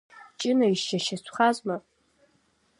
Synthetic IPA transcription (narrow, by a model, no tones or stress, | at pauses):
t͡ʃʼɪnaiʃʃaʃat͡ɕʷʰʼχazma